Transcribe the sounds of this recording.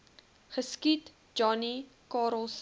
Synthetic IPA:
χəskit | d͡ʒɔni | kɑːɾəlˠs

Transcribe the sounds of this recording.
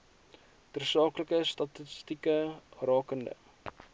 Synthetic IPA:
tərsɑːkləkəstɐtəstikərɑːkəndə̰

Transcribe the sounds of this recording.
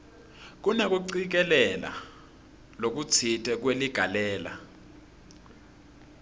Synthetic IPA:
k̬unak̬ʼuǀik̬ɛlɛla̰ | lok̬ut͡sʰitʰɛk̬weliɡ̥ʱalɛːla̰

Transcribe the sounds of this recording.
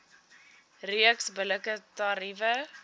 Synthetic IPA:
riəksbələkətɑɾivə

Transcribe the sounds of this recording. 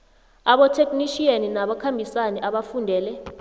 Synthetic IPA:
aɓɔtʰekʼniʃianinaɓɔkʰambʱisanɛʔaɓafundʱɛːlɛ

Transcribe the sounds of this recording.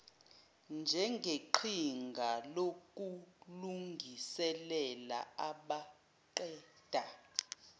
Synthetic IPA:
nd͡ʒʱɛŋɡʱeǃʰiŋɡʱalok̬ʼuluŋɡʱisɛlɛla̰aɓa | ǃɛːd̥ʱa

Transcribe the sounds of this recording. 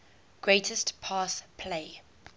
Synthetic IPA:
ɡ̥ɹeɪtʰəstpʰɑːspʰleɪ

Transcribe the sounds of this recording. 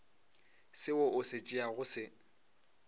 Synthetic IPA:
sɪʊʔʊset͡ʃʼiaɣʊsɪ

